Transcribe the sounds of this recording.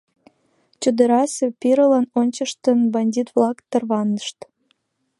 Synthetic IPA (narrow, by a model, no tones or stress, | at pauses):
t͡ɕud̪əɾɑsepiɾəlɑnonʲt͡ɕəʃt̪ənbɑnʲdʲit̪βlɑkt̪ərβɑnəʃt̪